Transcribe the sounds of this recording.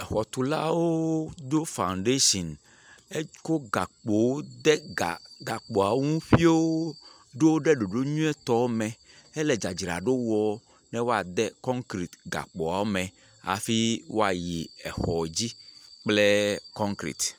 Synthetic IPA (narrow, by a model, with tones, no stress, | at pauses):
ɛ˨xɔ˨t̪u˨la̰˦wo˦d̪o˦fã˨nɖe˦ʃɔ̃˨n | e˦ko˦ɡa˨k͡po˨wo˦d̪ɛ˦ɡa̰˨ɡa˨k͡po˨a˨˦ŋũ˦ɸi˦o˦wo˦ | ɖo˦wo˦ɖe˦ɖo˨ɖo˦ɲũ˦ɛ˦t̪ɔ˦wo˦mɛ˨ | e˦lɛ˨d͡ʒa˨d͡ʒi˨ɾa̰˨ɖo˦wɔ˦ | nɛ̃˦wo˦a˨d̪ɛ˦kɔ̃˦ŋkɾi˨t̪ɡa̰˨k͡pɔ˨a˨wo˦mɛ̃˨ | a̰˨fi˦wo˦a˨ji˨ɛ̰˨xɔ˨d͡ʑi˦k͡ple˦kɔ̃˦ŋkɾḭ˨t̪